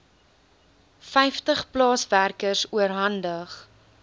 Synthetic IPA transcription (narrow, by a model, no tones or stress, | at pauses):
fɛjftəχplɑːsværkərsuəɾɦɐndəχ